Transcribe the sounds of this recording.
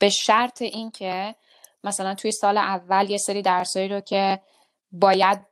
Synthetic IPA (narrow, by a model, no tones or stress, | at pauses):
b̥e̞ʃæɾt̪ʰeʔincʰe | mæsælænt̪ʰuje̞sɒːleʔævːælje̞seɾiːd̪æɾsɒːiːɾocʰe̞ | bɒːjæd̪̚